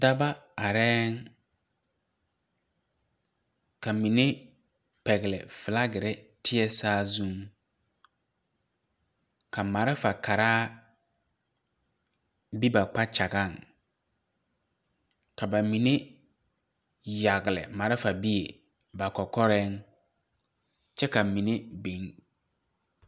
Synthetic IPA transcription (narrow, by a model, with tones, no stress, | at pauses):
da˦ba˦a˨ɾɛː˦n | ka˨mĩ˨nẽ˦ | pɛ˨ɣɪ˨lɪ̰˨fɪ˨la˦ɡɪ˨ɾɛ˦ | tʰɪ˦ɛ˦saː˦zũ˦ŋ | kʰa˨ma˨ɾɪ˦fa˨kʰa˨ɾaː˦ | bi˦ba˨k͡pa˦t͡ʃa˨ɡã˦˨ŋ | kʰa˨ba˨mĩ˨nẽ˦ | ja˨ɡɪ˨lɪ̰˨ma˨ɾɪ˦fa˨bi˦e˨ | ba˨kɔ˨kɔ˦ɾɛ˦ŋ | t͡ʃɛ˦ka˨mĩ˨nẽ˦bẽ˨˦ŋ